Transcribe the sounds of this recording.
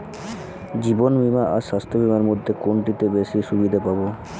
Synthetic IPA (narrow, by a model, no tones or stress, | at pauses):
d͡ʑibonbʱimaʔaʃast̪ʰobʱimaɾmod̪ʱːekoɳʈit̪ebeʃiʃubid̪ʱapabo